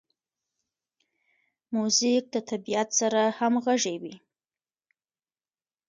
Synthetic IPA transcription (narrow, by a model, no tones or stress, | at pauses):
muzɪk̚d̪ət̪ʰabijat̪saɾahamɣaʐewi